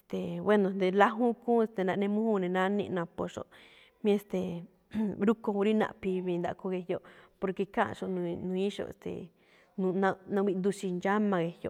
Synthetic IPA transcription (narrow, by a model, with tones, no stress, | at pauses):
e˧˨st̪e˨we˦nõ˨nd̪e˧la˦ɦũ˦kũː˦e˧st̪e˧nã˧nẽ˧mũ˦hũ˦nẽ˧nã˦nḭ̃˧nã˧po˧ʂo̰˧˨ʔ | mĩ˦e˧st̪e˨ | ɾu˦ko˧u˧ɾi˦nã̰˧ʔpi˧βĩ˧nd̪a̰˧ko˧ɣe˧jo˧po˧ɾke˧kã̰˦˧ʃo˧ʔnũ˧nũ˧ĩ˦ʃo̰˧ḛ˨st̪ḛ˨ | nũ˧nã˧nã˧wi˧nd̪u˧ʃi˧nd͡ʒa˦mã˧ɣe˧hjo̰˧˨